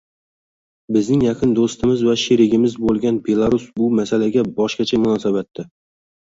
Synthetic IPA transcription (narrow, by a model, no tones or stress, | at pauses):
bɪznɪŋjaqʰɨnd̪ost̪ɪmɪzvaʃeɾɪɡʲɪmɪzbolˠɡʲanbe̞lˠaɾusbʊmasalaɡʲabɒʃqɑt͡ʃʰamʊnɒsabat̪ːɪ